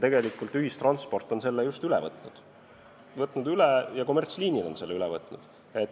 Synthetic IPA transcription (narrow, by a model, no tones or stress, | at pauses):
t̪e̞ɡe̞likːˑult̪ˑyhist̪rɑnt̪spo̞rt̪ːˑo̞nse̞lːejust̪ylɛ̰vɤt̪ˑnud̪̥ | vɤt̪ːˑnud̪ylɛjɑko̞mert̪sliːnilo̞nse̞lːeylɛvɤt̪ˑnud̪̥ | e̞t̪